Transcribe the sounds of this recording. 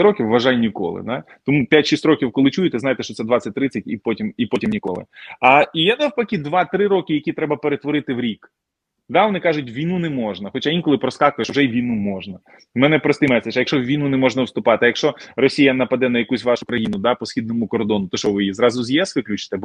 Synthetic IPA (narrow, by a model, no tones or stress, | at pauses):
ɾɔkʲiwːɐʒɑjnʲikɔ̰lˠɪ̰d̪ɑ | t̪ɔmupʲjatʲʃisʲtʲɾɔkʲiwkɔlˠɪt͡ʃujet̪ɛzɑjt̪ɛʃt͡ʃɔt̪sɛd̪ʋɑt͡sʲɐt̚ʲt̪ːɾɪt͡sʲːɐtʲipɔtʲimipɔtʲimnʲikɔ̰lˠɪ̰ɐijanɛwpɐkʲid̪ʋɑt̪ɾɪɾɔkɪjɐkʲit̪ɾɛbɐpeɾet̪ʋɔɾɪt̪ɪwɾʲik | d̪ɑʋɔnɪkɑʒʊtʲʋʲijnunɛmɔʒnɐxɔt͡ʃaʋinkɔlˠɪpɾɔskɑkʊjɛʃwʒɛiʋʲijnumɔʒnɐ | mɛnɛpɾɔst̪ɪjmɛsɐt͡ʃjɐkʃt͡ʃɔwʋʲijnunɛmɔʒnɐwst̪ʊpɑt̪ɪɐjɐkʃt͡ʃɔrɔsʲijɐnɐpɐd̪ɛnɐjɐkusʲʋɑʃʊkɾɐjinʊd̪ɑpɔsʲxʲid̪nɔmʊkɔrd̪ɔnʊt̪ɔʃt͡ʃɔʋɪjizɾɑzʊzʲjɛsʋɪklʲut͡ʃɪ̥t̪ɛb